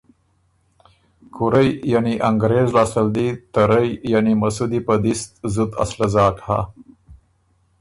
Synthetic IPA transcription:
kʰuɾəjjaniʔaŋɡɾezlasəld̪it̪aɾəjjanimasud̪ipəd̪ist̪zud̪a̰slazɑːʈha̰

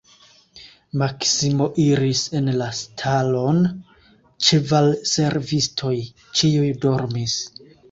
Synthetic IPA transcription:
maksimo̞ʔiɾise̞nlastʰalo̞n | t͡ʃevalse̞ɾvistʰo̞j | t͡ʃiujdo̞ɾmis

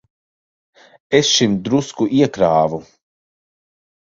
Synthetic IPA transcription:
esʃimd̪ɾuskuʔiɛkɾaːvu

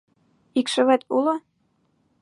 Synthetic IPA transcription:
ikʃɘ̆βæt̪ulɤ̆

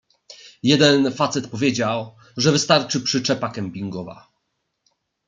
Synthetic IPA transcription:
jɛd̪ɛnfat̪sɛt̪pɔvʲjed͡ʑaw | ʐɛvɘst̪aɾt͡ʂɘpʂɘt͡ʂɛpakɛmʲpʲiŋɡɔva̰

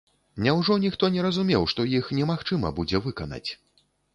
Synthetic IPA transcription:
nʲɛwʐɔnʲixt̪ɔnʲɛɾɐzumʲɛwʂt̪ɔjixnʲɛmaxt͡ʂɨmɐ̰bud͡zʲɛvɨkɐnɐ̰t͡sʲ

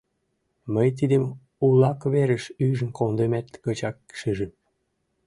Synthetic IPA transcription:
məjt̪̬id̪əm | ulɑkβeɾə̆ʃyʒə̆nkond̪emæt̪kət͡ɕɑkʃiʒəm

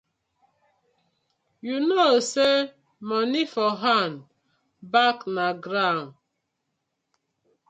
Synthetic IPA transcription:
junose | mɔnifɔɦan | baknaɡɾan

